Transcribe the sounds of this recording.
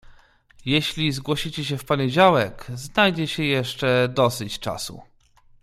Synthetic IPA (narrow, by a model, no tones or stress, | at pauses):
jɛɕlʲizɡwɔɕit͡ɕɛɕ̬ɛfpɔɲed͡ʑawɛkznajd͡ʑɛɕɛjɛʂt͡ʂɛd̪ɔsɘt͡ɕt͡ʂa̰sṵ